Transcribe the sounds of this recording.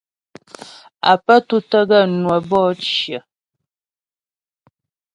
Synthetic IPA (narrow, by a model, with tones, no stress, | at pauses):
a̰˨pə˦tu˦tə˦ɡə˦˨nwə˨bɔː˦t͡ʃjə˨